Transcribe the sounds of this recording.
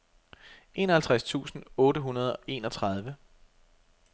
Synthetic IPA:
ʔe̝ːnɒhælt͡sʰʁast͡sʰṵːsn̩ɔ̽ːɾəɦunɐð̞ˠɒ̽ʔe̝ːnɒt͡sʰʁɑð̞ˠʋə

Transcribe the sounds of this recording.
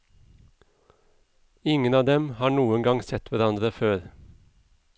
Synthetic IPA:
ɪŋənɑːʋd̪ɛmhɑːɳuːəŋɡɑŋsɛt̪ʋæɾɑnd̪ɾəføːɾ

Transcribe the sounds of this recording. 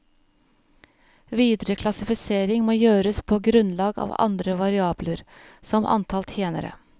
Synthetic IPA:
ʋiːd̪ɾəkʰlɑsɪfɪseːɾɪŋmoːjøːɾəspʰoːɡɾʉnlɑːɡɑ̰ːʋɑ̰nd̪ɾəʋɑɾɪɑːbləɾsɔmʔɑ̰nt̪ʰɑlt̪ʰjeːnə̰ɾə̰

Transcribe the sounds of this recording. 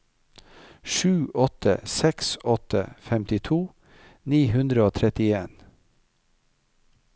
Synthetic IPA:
ʃʉːʔɔt̪ə̰sɛksɔt̪ʰə̰fɛmt̪ɪt̪ʰuː | niːhʉnd̪ɾəoːt̪ʰɾɛt̪ɪeːn

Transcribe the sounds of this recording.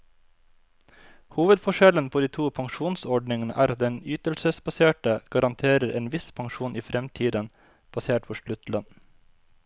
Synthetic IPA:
huːʋəd̪fɔʃɛlənpʰoːd̪iːt̪ʰuːpʰɑŋʃuːnsɔɖɳɪŋənə̰ʔæ̰ːɾɑt̪̚d̪ɛnyːt̪əlsəsbɑseːʈəɡ̥ɑɾɑnt̪ʰeːɾəɾeːnʋɪspʰɑŋʃuːnʔiːfɾɛmt̪ʰiːd̪ən | b̥ɑseːʈ̚pʰoʃlʉt̪lɑn

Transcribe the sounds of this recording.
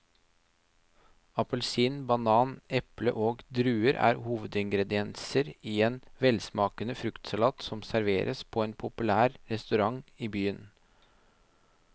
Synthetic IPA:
ɑpəlsiːnbɑnɑːnɛplə̰ʔoːɡd̪ɾʉːəɾʔæ̰ːɾhuːʋəd̪ɪŋɡɾɛd̪ɪɛnsəɾiːeːnʋɛlsmɑːkənəfɾʉkt̪sɑlɑːt̪sɔmsæɾʋeːɾʔəspʰoːeːnpʰʊpʉlæːɾɾɛst̪ʉɾɑŋiːbyːən

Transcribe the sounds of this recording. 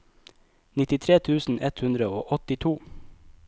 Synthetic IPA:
nɪt̪ɪt̪ʰɾeːt̪ʰʉːsn̩ʔɛt̪hʉnd̪ɾəoːʔɔt̪ɪt̪ʰuː

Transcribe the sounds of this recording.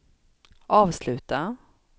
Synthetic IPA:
ʔɑːvslʉ̟ːt̪a

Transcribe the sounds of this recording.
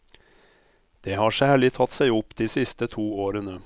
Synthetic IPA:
d̪̥eːhɑːʂæːɭɪt̪ʰɑt̪sæɪʊpːd̪iːsɪst̪ət̪ʰuːoːɾənə

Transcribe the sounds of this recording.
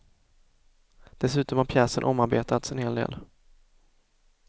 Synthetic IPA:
d̪̥ɛsʉ̟ːt̪ɔmhaɾpʰjɛːsə̰nʔɔmːaɾbeːt̪at̪sɛnheːld̪ḛːl

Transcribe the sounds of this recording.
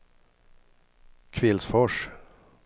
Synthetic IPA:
kʰvɪlsfɔʂ

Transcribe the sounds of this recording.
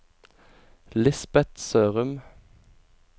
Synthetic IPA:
lɪsbɛt̪søːʁəm

